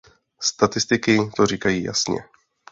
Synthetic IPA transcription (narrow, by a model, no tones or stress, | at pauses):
st̪at̪ɪst̪ɪkɪt̪oɾiːkajiːja̰sɲɛ̰